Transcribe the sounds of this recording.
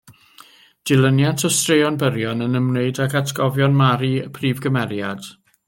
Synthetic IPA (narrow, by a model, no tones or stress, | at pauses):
d̥ɪlˠənjantʰɔstrejɔnbəɾjɔnənəmneɨdaɡatʰɡ̥ɔvjɔnmaɾiəpʰriːvɡəmɛɾjad̥